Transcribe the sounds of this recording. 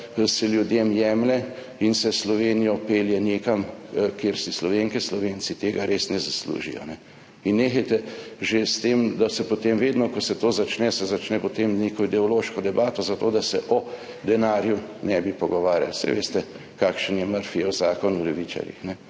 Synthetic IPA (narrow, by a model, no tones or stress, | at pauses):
sɛljud̪jemjɛmlɛ | insɛslɔʋeːnijɔpeːljɛnekamkeɾsislɔʋeŋkɛslɔʋent͡s̪it̪eːɡaɾʔeːsnɛzaslṵʒḭjɔ̰nɛ | inːeːxajt̪ɛʒest̪eːmd̪asɛpot̪emʋeːd̪nɔkɔsɛt̪oːzat͡ʃnɛsɛzat͡ʃnɛpot̪emnekɔid̪ɛɔloːʃkɔd̪ɛbaːt̪ɔzat̪oːd̪asɛʔɔ | d̪ɛnaːɾjunɛbipɔɡɔʋaːɾja̰lsɛ̰jʋḛːst̪ɛ | kakʃənjɛməɾfijɛwzaːkɔnulɛʋit͡ʃa̰ɾjḭxnɛ